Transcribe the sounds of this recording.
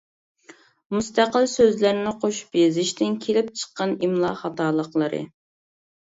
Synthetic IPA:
must̪æqəlˠsøzlæɾnɪqʰoʃb̥ezɪʃt̪ɪnkʲʰelɪp̚t͡ʃʰə̥qːɑnimlˠɑχɑt̪ɑːlˠəqlˠəɾɨ̰

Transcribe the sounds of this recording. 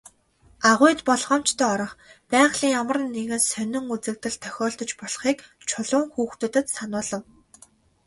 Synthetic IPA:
aʁʊjt̪pɔɮχɔ̆ːm̥t͡ɕt̪ʰœːɔɾɞ̆χpæːɴχɮiːŋjamə̆rə̆nːeɣɘ̆nsœnɪ̆ŋut͡sɘ̆k̚t̪ɘ̆ɮt̪ʰœxʲɔːɮt̪ɞ̆t͡ɕpɔɮχiːk | t͡ɕʰʊɮʊ̆ŋxuːxt̪ɵ̆t̪ɘ̆t̪sanʊːɮə̆w

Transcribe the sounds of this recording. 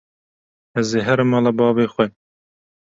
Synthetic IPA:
ɛzeːɦɛɾɨmɑːlɑbɑːveːxʷɛ

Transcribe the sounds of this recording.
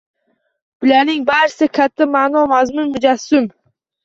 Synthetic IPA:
b̥ɪlanɪŋbaɾsɪkʲʰat̪ʰːamanɒmazmʊnmʊd͡ʒasːʊm

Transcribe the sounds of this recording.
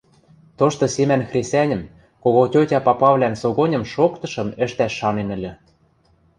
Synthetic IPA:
t̪oʃt̪ɤ̆semænxrʲesʲænʲə̆m | koɣotʲotʲɑpɑpɑβlʲænsoɣonʲɤ̆mʃokt̪ɤ̆ʃɤ̆mɘ̆ʃt̪æʃːɑnenɘ̆lʲø̆

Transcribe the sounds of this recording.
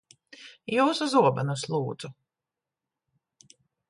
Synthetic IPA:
juːsuzuɔba̰nuslˠuːd̪z̥u

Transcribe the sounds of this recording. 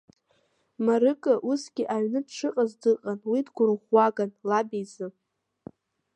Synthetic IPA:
maɾɨkʼɨʔusɡʲiʔaɥnɨdʈ͡ʂʰɨqʼazdɨqʼanwidɡʷʊrʁʷːaɡanlabijzɨ

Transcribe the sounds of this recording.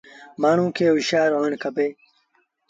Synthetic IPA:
maːɳ̃ũːkeːwiɕaːɾonkʰɐbeː

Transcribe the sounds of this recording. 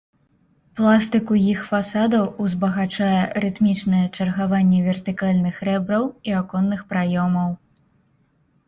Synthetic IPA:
plˠast̪ɨkujixfasad̪ɐwuzbɐɣat͡ʂajɛrɨt̪mʲit͡ʂnɐjɛt͡ʂɐrɣavanʲːɛvʲɛrt̪ɨkalʲnɨxɾɛbɾɐwiakɔnːɨxpɾajɔmɐw

